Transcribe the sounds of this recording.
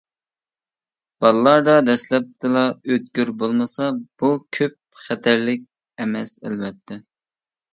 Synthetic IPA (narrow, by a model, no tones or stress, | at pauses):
b̥ɑlˠlˠɑɾd̪ɑd̪ɛslɛp̚t̪ʰɨlˠɑøt̪̚kʲyɾbolˠmɨsɑb̥ukʲʰøp̚χɛt̪ʰæɾlɪk̚ʲ | ɛmɛsæ̰lwɛt̪ʰːɛ